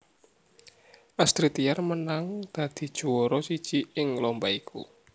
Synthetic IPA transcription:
ʔast̪ɾit̪iarmənaŋd̪̥ä̤d̪̥i̤d̥ʒ̥ṳwɔɾɔsid̥ʒ̥iɪŋlɔmbaikʰṵ

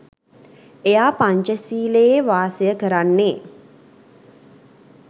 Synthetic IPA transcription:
ejaːpaɲt͡ʃəsiːləjeʋaːsəjəkəɾanːeː

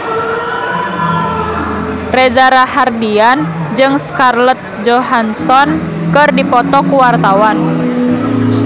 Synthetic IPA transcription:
rɛzaɾahardian | d͡ʒɨŋskarlət̪̚d͡ʒɔɦansɔn | kɨrdipɔt̪ɔkuwart̪awan

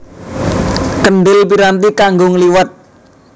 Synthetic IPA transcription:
kənɖɪlpiɾant̪ikaŋɡʊŋliwat̪̚

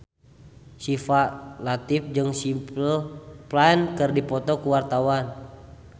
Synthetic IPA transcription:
sifalat̪ifd͡ʒɨŋsimpəlplaɛnkɨrdipɔt̪ɔkuwart̪awan

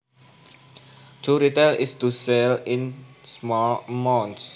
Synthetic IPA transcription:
t̪ʰuɾit̪elist̪uselĩnsmɔlmãns

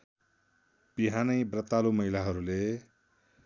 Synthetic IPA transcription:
b̥iɦanʌjbrʌt̪alumʌɦilaɦʌɾule

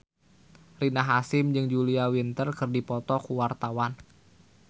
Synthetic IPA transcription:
rinaɦasɪmd͡ʒɨŋd͡ʒuliawint̪ərkɨrdipɔt̪ɔkuwart̪awan

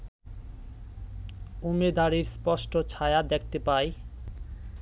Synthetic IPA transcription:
umed̪aɽiɾspɔʃʈot͡ɕʰaead̪ekʰt̪epaj

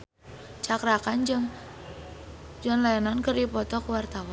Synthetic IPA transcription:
t͡ʃakɾakand͡ʒŋ | d͡ʒaŋlajanankɨrdipɔt̪ɔkəwart̪awa

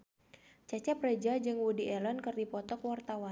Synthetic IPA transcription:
t͡ʃat͡ʃɛpred͡ʒad͡ʒɨŋwudiʔɛlɔnkɨrdipɔt̪ɔkwart̪awa

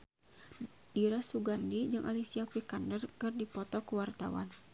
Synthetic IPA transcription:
diɾasuɡandid͡ʒɨŋʔa̰lisiapikandərkɨrdipɔt̪ɔkuwart̪a̰wa̰n

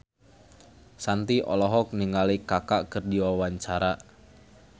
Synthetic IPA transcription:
sant̪iʔɔ̰lɔɦɔk̚niŋalikakaʔkɨrdiwawaɲt͡ʃaɾa

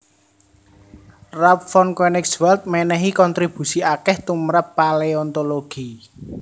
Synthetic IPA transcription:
rap̚fɔnkenɪkswɛlt̪̚mɛnɛɦikɔnt̪ɾib̥ṳsiakɛht̪umɾəpːaleɔnt̪oloɡ̥i

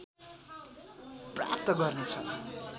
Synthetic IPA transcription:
pra̰p̚t̪ʌɡʌrnet͡sʰʌ̰

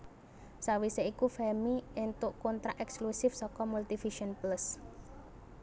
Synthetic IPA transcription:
sawiseikufɛmiɪnt̪ʊʔkont̪ɾaʔɛksklusɪfsɔkɔmult̪ifiʃənplas

